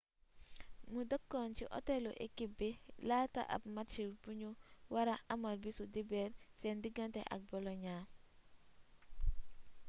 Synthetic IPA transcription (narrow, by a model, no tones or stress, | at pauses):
mudəkːɔnt͡ʃiʔɔ̰tɛlɔ̰ʔɛ̰kːibilata̰ʔa̰b̚mat͡ʃibuɲuwaɾaamalbisudibɛɾsɛndiɡantɛ̰ʔɐ̰k̚bɔlɔɲaː